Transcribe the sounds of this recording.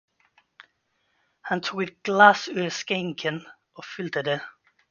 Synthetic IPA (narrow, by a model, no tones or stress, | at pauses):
hɑnt̪ʰuːɡɛt̪̚ɡ̥lɑːsʉːɾəskɛŋkʰənʔoːfʏlt̪əd̪eː